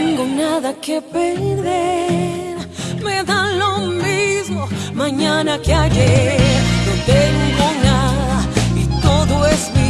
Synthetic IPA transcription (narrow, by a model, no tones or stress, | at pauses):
ŋɡonaðakepeɾɾðeɾ | meðalomizmomãɲanakeaʎeɾnot̪eŋɡonaðaḭt̪oðoesmi